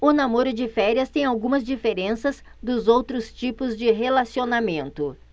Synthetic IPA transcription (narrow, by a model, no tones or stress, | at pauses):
ʊnamoɾʊd͡ʒɪfɛɾiɐst̪ẽj̃awɡũmɐzd͡ʒifeɾẽsɐzd̪ʊzowt̪ɾʊst͡ʃipʊzd͡ʒɪɦelasionamẽnt̪ʊ